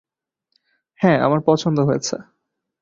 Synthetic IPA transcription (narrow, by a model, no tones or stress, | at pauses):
hɛ̃a̰maɾpɔt͡ɕʰond̪oɦojet͡ɕʰḛ